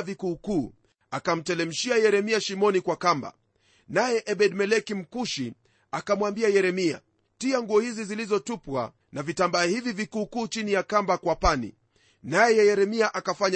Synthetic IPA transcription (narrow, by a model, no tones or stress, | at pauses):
vikuːkuː | akam̩tɛlɛm̩ʃiajɛɾɛmiaʃimɔnikwakamba̰ | najɛʔɛɓɛdmɛlɛkim̩kuʃi | akamwambiajɛɾɛmia̰ | tiaŋɡuɔhizizilizɔtupwa̰ | navitambaɛhivivikuːkuːt͡ʃinijakambakwapanḭ | najɛjɛjɛɾɛmiaʔakafaɲ